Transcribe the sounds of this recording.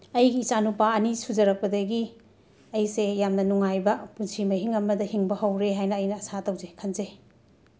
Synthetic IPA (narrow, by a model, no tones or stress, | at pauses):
ɐjɡiːt͡ʃanupaɐnisuzɐɾɐk̚pɐdɐɡi | ɐjsejamnɐnuŋajbɐpunsimɐɦiŋɐmɐdɐhiŋbɐhɐwɾeɦajnɐːjnɐːsatɐwzekʰɐnze